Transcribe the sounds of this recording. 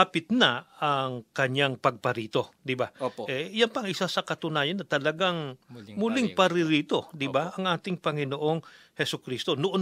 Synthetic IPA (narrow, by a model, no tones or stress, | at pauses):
apɪt̪̚nɐɐŋkɐɲaŋpɐɡ̚pɐɾiːt̪o̞d̪ɪbaʔɛjɐnpɐŋʔɪsasɐkɐt̪ʊnaːjɐnːɐt̪ɐlɐɡaŋmʊlɪŋpɐɾɪɾiːt̪o̞d̪ɪbaʔɐŋʔaːt̪ɪŋpɐŋɪnoʔo̞ŋ | hɛsʊkɾiːst̪o̞noʔo